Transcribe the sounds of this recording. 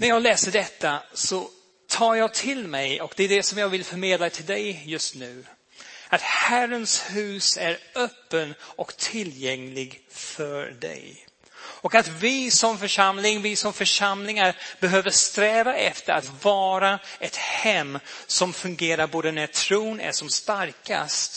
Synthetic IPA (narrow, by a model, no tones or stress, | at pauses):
næɾjɑːɡlɛːsəɖɛt̪ːasɔ | t̪ʰɑːɾjɑːɡt̪ʰɪlmɛjʔɔkd̪ɛːɖɛsɔmjɑːɡvɪlfœɾmeːd̪lat̪ʰɪld̪ɛjjɵst̪nʉ̟ː | at̪hærənshʉ̟ːsæɾœpːənɔkt̪ʰɪljɛŋlɪɡfœɾɖɛ̰j | ɔkat̪vɪsɔmfœʂamlɪŋvɪsɔmfœʂamlɪŋaɾbɛɦøːvəʂt̪ɾɛːvaʔɛft̪əɾat̪vɑːɾaɛt̪hɛmːsɔmfɵŋɡeːɾaɾboːd̪ənæt̪ʰɾuːnæ̰ʂɔmst̪aɾka̰st̪